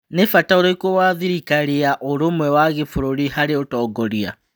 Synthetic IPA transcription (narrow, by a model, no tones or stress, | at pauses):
nefataoɾoikowaːðiɾikaɾeaʔoɾomwɛwaɣefoɾoɾihaɾeotɔːɡɔɾia̰